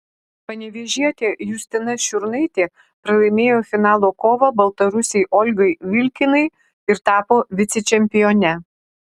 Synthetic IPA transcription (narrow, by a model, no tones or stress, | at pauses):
pɐnʲɛʋʲeʒʲiɛt̪ʲeːjʊsʲt̪ʲɪnɐʃʲʊɾnɐɪt̪ʲeː | pɾɐlˠɐɪmʲeːjoːfʲɪnɑːlˠoːkoːʋɐbɐlˠt̪ɐɾʊsʲɛɪʔɔlʲɡɐɪʋʲɪlʲkʲɪnɐɪ | ɪɾt̪ɑːpoːʋʲɪt̪sʲɛt͡ʃʲɛmʲpʲɪjoːnʲɛ